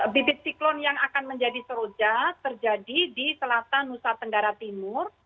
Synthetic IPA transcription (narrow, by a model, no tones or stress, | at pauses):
bibɪt̪̚siklɔnjaŋakanməɲd͡ʒadisəɾod͡ʒat̪ərd͡ʒadidisəlat̪anːusat̪əŋɡaɾat̪imʊr